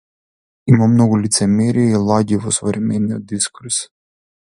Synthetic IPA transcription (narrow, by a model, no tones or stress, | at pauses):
imamnɔɡulit̪sɛmɛɾiːlˠaɟivɔsɔvɾɛmɛniɔ̰d̪̚d̪iskuɾs